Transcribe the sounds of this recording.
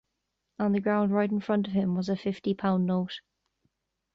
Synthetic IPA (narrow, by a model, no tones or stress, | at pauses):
ə̃nðəɡɹãʊ̃ndɹaɪtɪ̃nfɹʌ̃ntəv̥ɪ̃mwɒzəfɪftipʰãʊ̃nːoʊt